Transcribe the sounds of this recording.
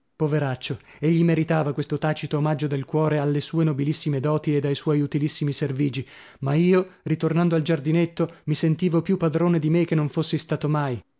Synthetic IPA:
poveɾat͡ʃːo | eʎːimeɾit̪aːvakwest̪ot̪aːt͡ʃit̪oːmad͡ʒːod̪elkwɔːɾealːesuːenobilisːimed̪ɔːt̪ied̪ajswɔjut̪ilisːimiserviːd͡ʒi | maiːorit̪ornand̪oald͡ʒard̪inet̪ːomisent̪iːvopjupːad̪ɾoːned̪imek̟enːoɱfosːist̪aːt̪omaj

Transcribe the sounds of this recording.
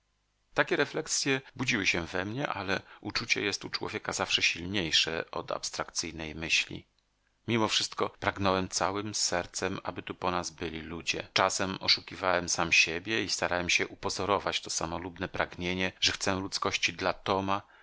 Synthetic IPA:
t̪akʲɛɾɛflɛksʲjɛbud͡ʑiwɘɕɛvɛmɲɛʔalɛʔut͡ʂut͡ɕɛ̰jɛst̪ut͡ʂwɔ̰vʲjɛkazafʂɛɕilɲejʂɛ̰ɔ̰d̪a̰pst̪ɾakt̪sɘjnɛjmɘɕlʲḭ | mʲimɔfʂɘst̪kɔpɾaɡnɔwɛmt̪sawɘmsɛɾt̪sɛma̰bɘt̪upɔnazbɘlʲilud͡ʑɛ̰t͡ʂasɛmɔʂukʲivawɛmsamɕebʲjɛist̪aɾawɛmɕɛʔupɔzɔɾɔvat͡ɕt̪ɔsamɔlubnɛpɾaɡɲeɲɛʐɛxt̪sɛlut̪skɔɕt͡ɕid̪lat̪ɔma

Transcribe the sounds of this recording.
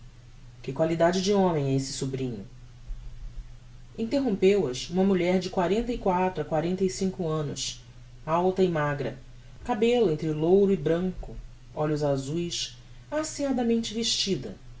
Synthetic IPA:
kɪkwalid̪ad͡ʒɪd͡ʒɪõmẽj̃ɛesɪ̥subɾĩɲʊ | ĩnt̪eɦõmpewɐsũmɐmuʎɛɾd͡ʒɪkwaɾẽnt̪ɐikwat̪ɾʊakwaɾẽnt̪ɐisĩŋkʊɐ̃nʊ̰s | awt̪ɐɪmaɡɾɐ | kabelʊẽnt̪ɾɪlowɾʊɪbɾɐ̃ŋkʊ | ɔʎʊzazujs | asiad̪ɐmẽnt͡ʃɪveʃt͡ʃid̪ɐ̰

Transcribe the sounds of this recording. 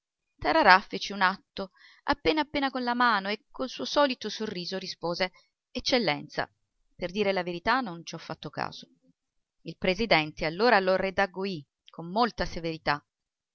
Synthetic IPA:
t̪aɾaɾafet͡ʃːiunat̪ːo | a̰pːeːnapːeːnakonlamaːnoekʰːolsuːosɔːlit̪osorːiːzoɾispoːze | et͡ʃːelːɛnt̪sa̰ | perd̪iːɾelaveɾit̪anont͡ʃɔfːat̪ːoka̰ːz̥o | ilpɾezid̪ɛnt̪ealːoːɾalored̪aɡoi | kʰːomːolt̪aseveɾit̪a

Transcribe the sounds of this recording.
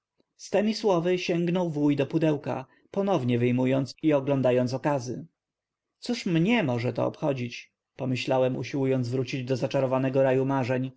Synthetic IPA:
st̪ɛmʲiswɔvɘɕɛŋɡnɔwvujd̪ɔpud̪ɛwka̰ | pɔnɔvɲɛvɘjmujɔnt̪siɔɡlɔnd̪ajɔnsɔkazɘ | t̪suʂmɲɛmɔʐɛt̪ɔ̰ɔ̰pxɔd͡ʑit͡ɕ | pɔmɘɕlawɛmṵɕiwujɔnd̪zvɾut͡ɕid͡ʑd̪ɔzat͡ʂaɾɔvanɛɡɔɾajumaʐɛɲ

